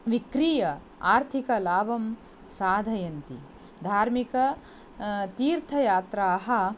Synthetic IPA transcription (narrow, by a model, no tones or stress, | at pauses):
ʋikɾiːjɐ | aːɾt̪ʰikɐlaːbɐm | saːd̪ʱɐjɐnt̪ḭ | d̪ʱaːɾmikɐ | t̪iːɾt̪ʰɐjaːt̪ɾaːɦɐ